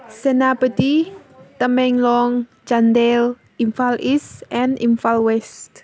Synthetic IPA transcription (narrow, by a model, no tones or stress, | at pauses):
sənabət̪it̪əmɛŋlɔŋ | d͡ʒand̪ɛl | ʔinfalisɛnḭnfalwɛst̪